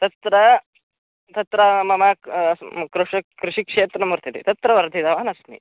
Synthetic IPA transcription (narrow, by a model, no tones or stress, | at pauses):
t̪ɐt̪ɾɐ | t̪ɐt̪ɾɐmɐma | kɾuʂɐkɾuʂikʂeːt̪ɾɐmuɾt̪ʰit̪ḭt̪ɐt̪ɾɐʋɐɾt̪id̪ɐʋaːnɐsnḭ